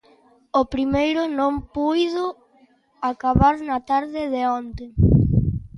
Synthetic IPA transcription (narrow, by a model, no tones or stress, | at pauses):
opɾimejɾʊnõmpujðʊ | akaβaɾnat̪aɾðɪðeɔnt̪e